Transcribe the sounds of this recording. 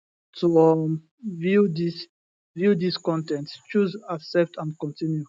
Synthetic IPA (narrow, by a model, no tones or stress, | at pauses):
tʰuɔm | vidis | vid̪iskɔ̃ntɛ̃ntt͡ʃuzaksɛp̚tʰãndkɔ̃ntĩnju